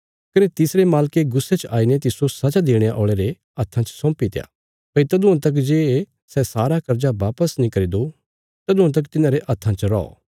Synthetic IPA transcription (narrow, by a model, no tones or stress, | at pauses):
kɐnet̪ɪsɾemaːlkeɡʊsːet͡ʃaːinet̪ɪsosɐd͡ʒad̪eːɽ̃ejaʔoːɭeɾe | ɐt̪ʰːãt͡ʃsɔ̃ːmpit̪eja̰ː | pɐit̪ɐd̪uãt̪̬ɐk̬d͡ʒeː | sɛsaːɾakɐɾd͡ʒaʋaːpəsnĩkɐɾid̪o | t̪ɐd̪uãt̪̬ɐk̬t̪ɪnãɾeʔɐt̪ʰːãt͡ʃɾɔ̰ɔ̰